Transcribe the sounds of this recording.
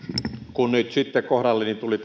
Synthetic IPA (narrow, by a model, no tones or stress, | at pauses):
kunnyt̪sit̪ːekohdɑlːenːint̪ulit̪